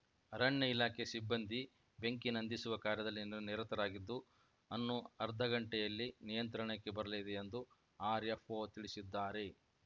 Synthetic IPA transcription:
ɐɾɐɳjɐilaːkʰesibːɐnd̪ʱi | be̞ŋkinɐnd̪ʱisuʋɐkaːɾjɐd̪ɐlːiniɾɐt̪ɐɾaːɡid̪ːu | ɐnːuɐɾd̪ʱɐɡɐɳʈɛjɐlːinijɐnt̪ɾɐɳɐkːebɐɾɐlid̪eːnd̪u | aːɾepoːt̪iɭisid̪ːaːɾe̞

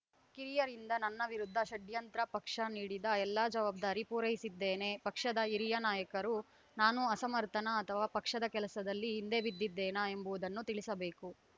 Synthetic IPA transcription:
kiɾijɐɾind̪ɐnɐnːɐʋiɾud̪ʱːɐʃɐɖjɐnt̪ɾɐpɐkʂɐniːɽid̪ɐɛlːaːd͡ʒɐʋaːb̚d̪aːɾipuːɾɐɦisid̪ːeːne̞pɐkʂɐd̪ɐiɾijɐnaːjɐkɐɾu | naːnuɐsɐmɐɾt̪ʰɐnɐːt̪ʰɐʋaːpɐkʂɐd̪ɐkɛlɐsɐd̪ɐlːiɦind̪e̞ːʋid̪ːid̪ːeːnɐe̞mbuʋud̪ɐnːut̪iɭisɐbe̞ːku

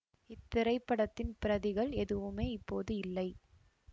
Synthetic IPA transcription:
ɪt̪ːɪɾɐɪpːɐɽɐt̪ːɪnpɪɾɐðɪɣɐɭɛðɯʋɯmeːɪpːoːðɯɪlːɐɪ

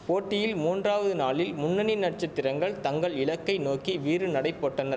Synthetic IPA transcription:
poːʈːɪjɪlmuːndraːʋɐðɯnaːɭɪlmʊnːɐnɪnːɐʈ̚t͡ʃɐt̪ːɪɾɐŋɡɐɭt̪ɐŋɡɐɭɪɭɐkːɐɪnoːkiʋiːɾɯnɐɽɐɪpːoːʈːɐnɐ

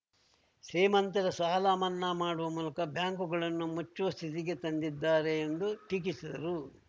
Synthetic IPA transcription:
seːmɐnt̪ɐɾɐsaːlaːmɐnːɐmaːɽuʋɐmuːlɐkɐbjaːŋkuɡɐɭɐnːumut͡ʃːuʋɐst̪ʰit̪iɡe̞t̪ɐnd̪id̪ːaːɾeːnd̪uʈik̬isid̪ɐɾu

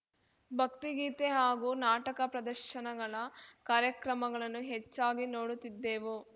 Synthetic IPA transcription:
bʱɐkt̪iɡiːt̪eɦaːɡunaːʈɐkɐpɾɐd̪ɐɾʃɐnɐɡɐɭɐkaːɾjɐkɾɐmɐɡɐɭɐnːuɦet͡ʃːaːɡinoːɽut̪ːid̪ːeːʋu

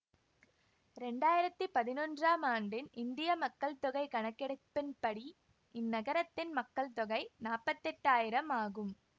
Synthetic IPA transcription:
ɾɛɳɖaːjɪɾɐt̪ːɯpɐðɪnɔndraːmaːɳɖɪnɪnd̪ɪjɐmɐkːɐɭt̪ɔɣɐɪkɐɳɐkːɛɽɐpːɪnpɐɽi | ɪnːɐɣɐɾɐt̪ːɪnmɐkːɐɭt̪ɔɣɐɪnaːpːɐt̪ːɛʈːaːjɪɾɐmaːɣɯm

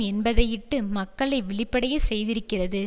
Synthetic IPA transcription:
ɛnbɐðɐjɪʈːɯmɐkːɐɭɐɪʋɛɭɪpːɐɽɐjɐsɛjðɪɾɯkːɪrɐðɯ

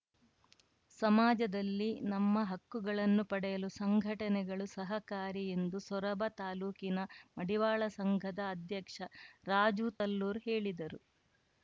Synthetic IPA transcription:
sɐmaːd͡ʒɐd̪ɐlːinɐmːɐɦɐkːuɡɐɭɐnːupɐɽɛjɐlusɐŋɡʱɐʈɐnɛɡɐɭusɐɦɐkaːɾie̞nd̪usɔɾɐbʱɐt̪aːluːkinɐmɐɽiʋaːɭɐsɐŋɡʱɐd̪ɐːd̪ʱjɐkʂɐɾaːd͡ʒut̪ɐlːuːɾɦeːɭid̪ɐɾu

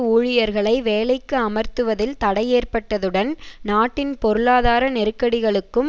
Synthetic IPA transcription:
uːɻɪjɐɾɣɐɭɐɪʋeːlɐɪkːɯɐmɐɾt̪ɯʋɐðɪlt̪ɐɽɐjeːrpɐʈːɐðɯɽɐnnaːʈːɪnpɔɾɯɭaːðaːɾɐnɛɾɯkːɐɽɪɣɐɭɯkːɯm

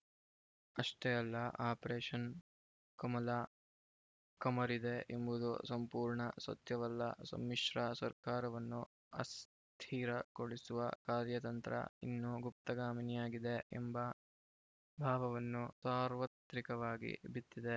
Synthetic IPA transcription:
ɐʂʈejɐlːɐʔaːpɾeːʂɐn | kɐmɐlɐ | kɐmɐɾid̪e̞embud̪ṵsɐmpuːɾɳɐsɐ̰t̪jɐʋɐlːɐ̰sɐ̰mːiʃɾɐsɐ̰ɾkaːɾɐʋɐnːu | ɐ̰s | t̪ʰiːɾɐkoɭisuʋɐ̰kaːɾjɐt̪ɐnt̪ɾɐ̰ḭnːuɡup̚t̪ɐɡaːminijaːɡid̪e̞ḛmbɐ | bʱaːʋɐʋɐnːusaːɾʋɐt̪ɾikɐʋaːɡḭbit̪ːid̪e̞

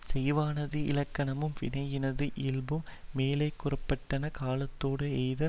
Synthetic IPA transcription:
sɛjʋaːnɐðɯɪ̰lɐkːɐɳɐmɯmʋɪnɐjɪnɐðɯʔɪlbɯmːeːlɐɪkːʊrɐpːɐʈːɐnɐkaːlɐt̪ːoːɽɯɛjðɐ

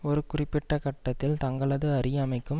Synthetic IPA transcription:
ɔɾɯkʊrɪpːɪʈːɐkɐʈːɐt̪ːɪlt̪ɐŋɡɐɭɐðɯɐɾɪjɐmɐɪkːɯm

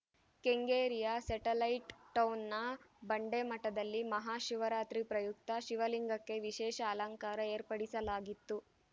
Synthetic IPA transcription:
keŋɡeːɾijɐsɐʈɐlɐjʈʈɐwnːɐbɐɳɖemɐʈːɐd̪ɐlːimɐɦaːʃiʋɐɾaːt̪ɾipɾɐjukt̪ɐʃiʋɐliŋɡɐkːe̞ʋiʃɛːʃɐːlɐŋkaːɾɐe̞ːɾpɐɽisɐlaːɡit̪ːu

